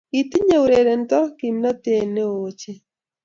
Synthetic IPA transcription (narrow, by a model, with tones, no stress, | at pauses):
i˨t̪i˦ɲe˦˨u˨ɾɛ˨ɾɛ˨nta˦ki˨mna˦t̪ɛ˨nɛ˦oː˦t͡ʃɛ˦